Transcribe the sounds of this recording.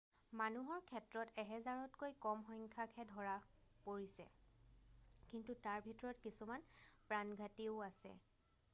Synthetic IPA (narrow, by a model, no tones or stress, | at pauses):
manuɦɔɹkʰɛtɹɔtɛɦɛzaɹɔtkojkɔmɦɔjŋkʰakʰɛdʱɔɹapoɹisɛ̰ | kintutaɹbʱitɔɹɔtkisumanpɹanɡʱatiʊasɛ̰